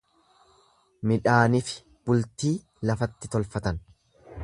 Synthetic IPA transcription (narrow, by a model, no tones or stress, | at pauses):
mɪᶑaːnɪfɪ̥ | b̥ʊlt̪iː | lɐfɐt̪ːɪt̪ɔlfɐt̪ɐn